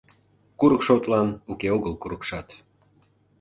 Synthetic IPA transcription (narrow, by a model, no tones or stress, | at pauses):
kuɾəkʃot̪lɑnukeoɣəlkuɾəkʃɑt̪